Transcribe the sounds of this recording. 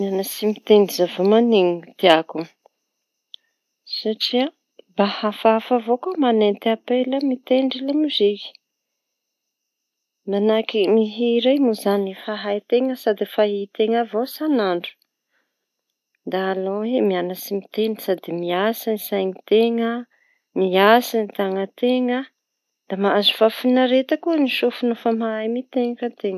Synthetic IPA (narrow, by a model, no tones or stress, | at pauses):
mianəsimit̪enizavomaniŋut̪iaku | saʈ͡ʂia | bahafaafavokamanent̪apeləmit̪eɳɖ͡ʐilamuzei̥ | manakimiɦiɾajmuzanifaɦajt̪eŋəsad̪ifaɦit̪eŋavosanaɳɖ͡ʐu̥ | d̪aːloemianəsimit̪eɳɖ͡ʐi̥sad̪imiasanizajmit̪eŋə | miasanit̪aŋət̪eŋə | d̪̥amaazu̥fafunaɾet̪akuniʃufunəfamaajmit̪eŋəkat̪eŋə